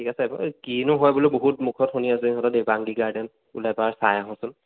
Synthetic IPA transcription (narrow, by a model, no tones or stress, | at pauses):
tʰikasɛkinʊɦɔjbulojboɦut̚mukʰɔtxuniasɛɦɔtɔdebaŋɡiɡaɹdɛn | ulajpaɹsajaɦɔ̃sʊn